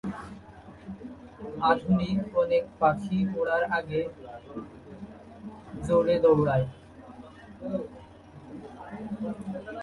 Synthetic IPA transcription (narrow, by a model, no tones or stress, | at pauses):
at̪nikɔnek̚pakʰiboɽaɾaɡe | d͡ʑoɽed̪owɽae